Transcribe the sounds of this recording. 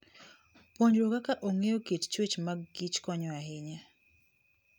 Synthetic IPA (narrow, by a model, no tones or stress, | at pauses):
pwoɲd͡ʒɾokakaʔoŋeokett͡ʃwet͡ʃmaɡɡit͡ʃkɔɲɔaɦɪɲa